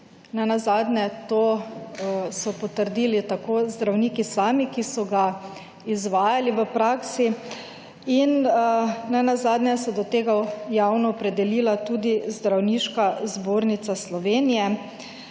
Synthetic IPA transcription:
nɛnazaːd̪nɛt̪oː | sɔpɔt̪əɾd̪iːlit̪akoːzd̪ɾawniːkisaːmikisɔɡa | izʋaːjaliʋəpɾaːksi | in | nɛnazaːd̪nɛsɔd̪ɔt̪eːɡajaːwnɔːpɾɛd̪ɛliːlat̪uːd̪izd̪ɾawniːʃkazboːɾnit̪saslɔʋeːnijɛ

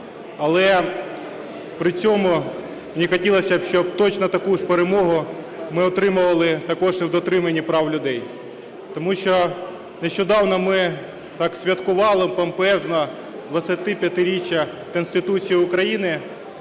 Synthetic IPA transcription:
ɐlˠɛ | pɾɪt͡sʲɔmʊ | menʲixɔtʲilˠɐsʲɐbʃt͡ʃɔb̚t̪ɔt͡ʃnɐt̪ɐkuʃpeɾemɔɦʊmɪɔt̪ɾɪmʊʋɐlˠɪt̪ɐkɔʒɪwd̪ɔt̪ɾɪmɐnʲːipɾɑwlʲʊd̪ɛj | t̪ɔmuʃt͡ʃɔ | neʃt͡ʃɔd̪ɑwnɔmɪ | t̪ɑksʲʋʲɐt̪kʊʋɑlˠɪpɐmpɛznɐ | d̪ʋɐt͡sʲːɐt̪ɪpʲjɐt̪ɪɾʲit͡ʃʲːɐ | kɔnst̪ɪt̪ut͡sʲijiʊkɾɐjinɪ

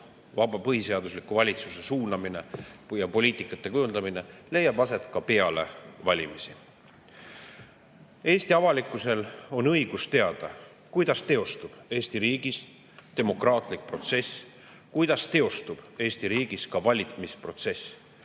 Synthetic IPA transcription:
vɑbɑpɤɦise̞ɑd̪uslikːuvɑlʲit̪suse̞suːnɑmine̞jɑpo̞lʲiːt̪ˑikːˑɑt̪ˑːe̞kujund̪ɑmine̞le̞jːɑbɑse̞t̪ˑkɑpe̞ɑle̞̰vɑlʲimisi | e̞ːsʲt̪iɑvɑlikːˑuse̞lo̞nɤ̞jɡ̥ust̪e̞ɑd̪̥ɑ | kujd̪̥ɑst̪e̞o̞st̪ub̥e̞ːsʲt̪iɾiːɡ̥is | t̪e̞mo̞krɑːt̪ˑlik̚pro̞t̪se̞s | kujd̪̥ɑst̪e̞o̞st̪ub̥e̞ːsʲt̪iɾiːɡ̥iskɑvɑlʲit̪mispro̞t̪se̞s

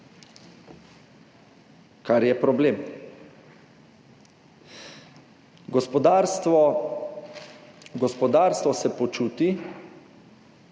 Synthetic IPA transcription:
kaɾjɛpɾɔbleːm | ɡɔspɔd̪aɾt̪ɔ | ɡɔspɔd̪aːɾst̪ʋɔsɛpɔt͡ʃuːt̪i

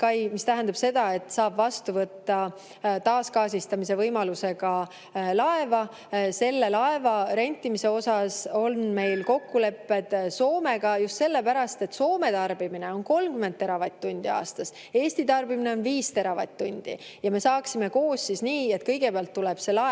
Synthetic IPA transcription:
kɑjmist̪æɦænd̪ɑb̥se̞d̪̥ɑe̞t̪ːˑsɑːb̥vɑst̪uvɤt̪ːɑ | t̪ɑːskɑːsist̪ɑmise̞vɤjmɑluse̞ɡɑ | lɑe̞vɑ | se̞lːe̞lɑe̞vɑɾe̞nʲt̪ːˑimise̞o̞sɑso̞nme̞jlko̞kːule̞pːe̞d̪̥so̞ːme̞ɡ̥ɑjust̪se̞lːe̞pæɾɑst̪e̞t̪ːso̞ːme̞t̪ɑrb̥imine̞o̞nko̞lmkyme̞nd̪̚t̪e̞ɾɑvɑt̪ʲːunʲd̪̥iɑ̰ːst̪ɑs | e̞ːsʲt̪it̪ɑrbimine̞o̞nviːst̪e̞ɾɑvɑ̰jt̪ʲt̪ːunʲd̪̥ḭjɑme̞sɑːksime̞ko̞ːssisniːe̞t̪̚kɤ̞jɡe̞peɑlt̪ːulɛb̥se̞lɑ

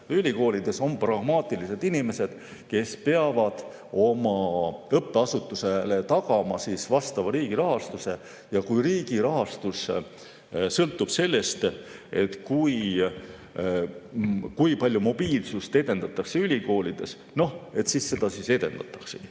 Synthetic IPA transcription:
ylʲiko̞ːlid̪̥e̞so̞mprɑɡmɑːt̪ˑilise̞t̪inime̞se̞d̪̥ | ke̞speɑvɑd̪̥ | o̞mɑɤpːˑeɑsut̪ːˑuselet̪ɑkɑmɑsisvɑst̪ɑvɑɾiːɡ̥iɾɑɦɑst̪use̞ | jɑkujriːɡiɾɑɦɑst̪us | sɤlt̪ːˑub̥se̞lːe̞st̪e̞t̪kuj | kujpɑlʲjumo̞b̥iːlsust̪e̞d̪e̞nd̪ɑt̪ːˑɑkseylʲiko̞ːlʲid̪̥e̞s | no̞he̞t̪sisse̞d̪̥ɑsise̞d̪̥e̞nd̪ɑt̪ːˑɑkseɡ̥i

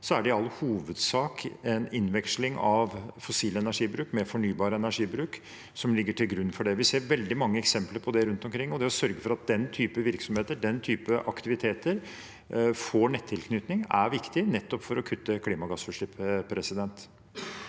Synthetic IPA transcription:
sɔæɖɛɪɑlːhuːʋəd̪sɑːkɛnɪnʋɛkslɪŋɑʋfɔsiːləɛnæʂiːbɾʉːkmɛfɔɳyːbɑːɾəɛnæʂiːbɾʉːk | sɔmlɪɡːəʈʰɪlɡɾʉnːfɔɖɛʋɪseːɾʋɛld̪ɪmɑŋːəɛksɛmpləɾpʰɔd̪ɛɾʉnt̪ɔmkʰɾɪŋːɔd̪ɛɔsœɾɡəfɔɾɑt̪̚d̪ɛnt̪ʰyːpəʋɪɾksɔmheːt̪əɖɛnt̪ʰyːpəʔɑkt̪ɪʋɪt̪ʰeːt̪əɾ | foɳɛt̪ʰːɪlkʰnyːt̪nɪŋæɾʋɪkt̪ɪnɛt̪ːɔpfɔɾɔkʰʉt̪ːəkʰliːmɑɡɑsfʉʂɪppʰɾɛsɪd̪ɛnt̪

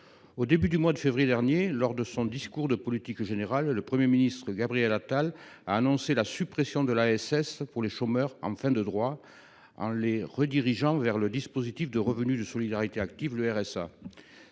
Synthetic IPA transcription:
od̪ebyd̪ymwad̪əfevʁijed̪ɛʁnjelɔʁd̪əsɔ̃d̪iskuʁd̪əpɔlit̪ikʒeneʁalːəpχəmjeminist̪χəɡabʁiɛlat̪alaːnɔ̃selasypχesjɔ̃d̪əlaɛsɛspuʁleʃomœʁɑ̰̃fɛ̃d̪əd̪ʁwa | ɑ̰̃leʁəd̪iʁiʒɑ̃vɛʁləd̪ispozit̪ifd̪əʁəvənyd̪əsɔlid̪aʁit̪eak̚t̪ivləɛʁɛsa̰

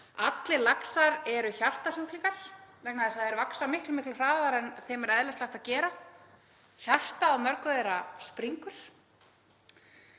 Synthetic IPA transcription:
at̪lɪlaksaɾɛɾʏçar̥t̪asuwt̪liŋkaɾ̥vɛknaðɛsaðɛɾvaksamɪhklʏmɪhklɪfɾaːðaɾɛnθɛmɛɾɛðlɛslajht̪acɛːɾa | çar̥t̪aːwmœɾkʏðeɛjɾaspɾiŋkʏɾ̥

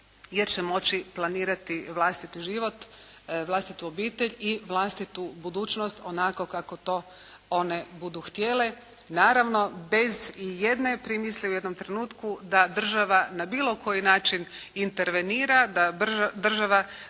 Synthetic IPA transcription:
jeɾt͡ɕe̞mo̞t͡ɕiplˠaniːɾat̪iʋlˠast̪it̪iʒiʋo̞t̪ʋlˠast̪it̪uobiːt̪e̞ʎiʋlˠast̪it̪ubud̪uːt͡ʃnost̪o̞nako̞kako̞t̪o̞ː | o̞ne̞bud̪uxt̪je̞le̞ | naːɾaʋno̞be̞zijed̪ne̞pɾimislʲeuje̞d̪no̞mt̪ɾe̞nuːt̪kud̪ad̪r̩ʒaʋanabiːlo̞kʰo̞jinaːt͡ʃinint̪e̞ɾʋe̞niːɾad̪ard̪r̩ʒaʋa

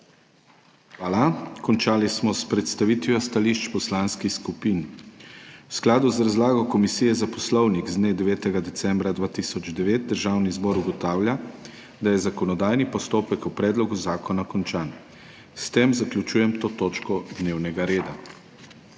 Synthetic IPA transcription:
xʋaːlakɔnt͡ʃaːlismɔspɾɛt̪st̪aʋiːt̪ʋjɔst̪aliːʃt͡ʃpɔslanskixskupin | wsklaːd̪uzɾazlaːɡɔkɔmisiːjɛzapɔslɔwniɡzd̪neːd̪ɛʋɛːt̪ɛɡad̪ɛsɛmbɾad̪ʋaːt̪isɔd͡ʒd̪ɛʋeːt̪̚d̪əɾʒawnizbɔɾuɡɔt̪aːwlʲja | d̪ajɛzakɔnɔd̪aːjnipɔst̪oːpɛkupɾɛːd̪lɔɡuzaːkɔnakɔnt͡ʃaːn | st̪emzaklʲut͡ʃuːjɛmt̪oːt̪oːt͡ʃkɔd̪neːwnɛɡaɾeːd̪a

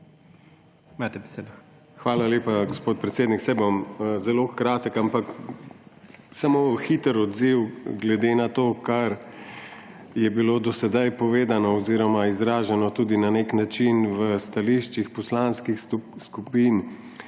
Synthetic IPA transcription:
imaːt̪ɛbɛseːd̪ | xʋaːlaleːpaɡospoːt̪̚pɾɛt̪seːd̪niksɛjbomzɛloxkɾaːt̪əkampak | samoːxit̪əɾɔd̪ziwɡlɛd̪enat̪oːkaɾ | jɛbilod̪ɔsɛd̪ajpɔʋeːd̪anɔɔziːɾɔmaizɾaːʒɛnɔt̪uːd̪inaneknat͡ʃinʋəst̪aliʃt͡ʃixpɔslanskixskupin

